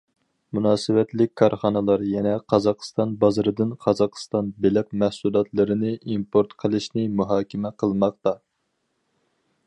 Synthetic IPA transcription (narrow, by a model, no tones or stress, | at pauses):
munɑːsɨwɛt̪lɪkʲkʰːɑɾχɑnɨlˠɑɾjɛnɛqʰɑzɑqst̪ɑnbɑzɨɾɨd̪ɨnqʰɑzɑqst̪ɑnbelɪq̚mɛhsulˠɑt̪lˠɨɾɨnɨimpʰoɾt̪qʰəlˠɨʃnɪmuɦɑːkʲʰimɛqʰəlˠmɑq̚t̪ɑ